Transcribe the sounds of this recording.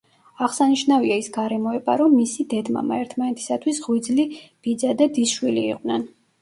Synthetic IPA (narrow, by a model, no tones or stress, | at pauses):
aʁsaniʃnaviaisɡaɾɛmɔɛba̰ɾɔmːisid̪ɛd̪ma̰ma̰ɛɾt̪ʰmanɛt̪ʰi̥sat̪ʰwisʁwid̪zlib̥id̪zad̪ad̪isʃwilḭːqʼwnɛn